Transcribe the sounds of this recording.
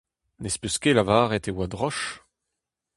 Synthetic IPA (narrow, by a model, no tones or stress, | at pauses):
nespyskelavaːʁɛt̪ewad̪ʁɔʃ